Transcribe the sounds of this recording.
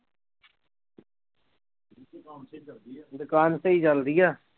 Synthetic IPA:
d̪ʊkaːnseiːd͡ʒəld̪ijaː

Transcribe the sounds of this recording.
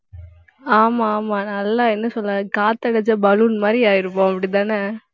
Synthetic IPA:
aːmaːmaːnɐlːãːɛnːɐsɔlːɐkaːt̪ːɐɽɐd͡ʒɐbɐlunmaːd̪ɾiaːjɪɾɯpːõːɐpːɐɽit̪ãːnɐ

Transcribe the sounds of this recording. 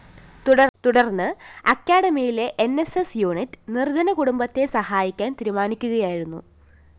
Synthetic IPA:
t̪uɽɐt̪uɽɐrnːɨɐkʲːaːɽɐmijileʔenːesesjuːɳitːɨ̥nird̪ʱɐnɐkuɽumbɐt̪ːe̞sɐhaːjikʲːaːnt̪iɾumaːnikʲːuɣɐjaːjiɾunːṵ

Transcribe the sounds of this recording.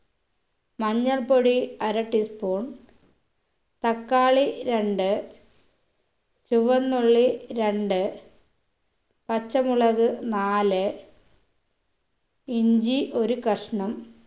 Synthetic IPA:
mɐɲːɐlpoɽiɐɾɐʈːispoːɳ | t̪ɐkːaːɭiɾe̞ɳɖɨ | t͡ɕuʋɐnːoɭːiɾeɳɖɨ | pɐt͡ɕːɐmuɭɐɣɨnaːlɨ | iɲd͡ʑiʔo̞ɾukɐʂɐɳɐm

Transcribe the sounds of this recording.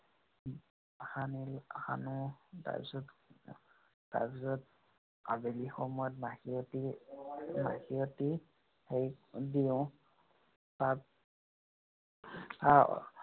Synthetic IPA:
hanilha̰nuta̰ɹpisɔt | ta̰ɹbisɔt̚ | abelixɔmɔjɔt̚maxiɔti | ma̰xiɔti | hejdiʊ̃ | tat̚ | a̰

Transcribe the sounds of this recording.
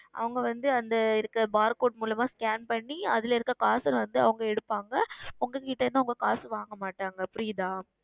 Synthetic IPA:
ʔɐ̰ʋɐŋɡɐʋɐnd̪ɯɐnd̪ɐɪɾɯkːɾɐbaːɾkoːʈ̚muːlɐmaːskaːnpɐɳːiɐðɪlɪɾɯkːɐkaːsɐlʋɐnd̪ɯɐ̰ʋɐŋɡɐɛɽɯpːaːŋɡɐʊŋɡɐkɪʈːɐɾnaɐʋʊŋɡɐkaːsʋaːŋɡɐmaːʈːaːŋɡɐpʊɾɪjd̪ãː

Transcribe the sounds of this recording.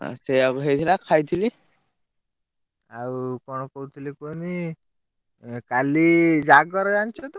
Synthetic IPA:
a̰sejaɡuɦejt̪ʰilakʰajt̪ʰili | awkɔñɔkɔwt̪ʰilikoni | kalid͡ʒaɡɔɾd͡ʒant͡ʃʰɔt̪ɔ

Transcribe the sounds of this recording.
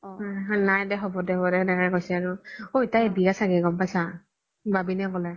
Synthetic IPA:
aanajdɛxɔbɔdɛɔbɔdɛɛnɛkaɹɛkojsɛaɹʊotajbijasaɡɛɡɔmpajsa | babinɛkɔlɛ

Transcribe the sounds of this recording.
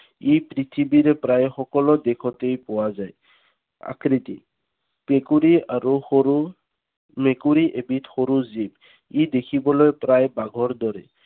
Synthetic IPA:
ipɾit̪ʰibiɾɛpɾajxɔkɔlɔd̪ekʰɔtejpɔwazaj | a̰kɾit̪ḭ | pekuɹiaɹuhou | mekuɹiʔebitxoɾuzib | id̪ekʰibɔlɔjpɾajbaɡʱɔɹd̪ɔɾɛ

